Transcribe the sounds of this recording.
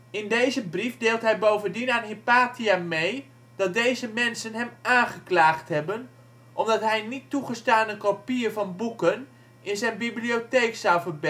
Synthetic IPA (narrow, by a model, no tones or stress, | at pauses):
ɪndejzəbrifdeːlˠtɦɛjbowvəndinaːnɦipaːtiamej | d̥ɑt̚dejzəmɛnsənɦɛmaːnχəklaːχtɦɛbən | ʔɔmdɑtɦɛjnitːuχəstaːnəkopiːrvɑnbukən | ɪnzɛjnbibliotejksawvərb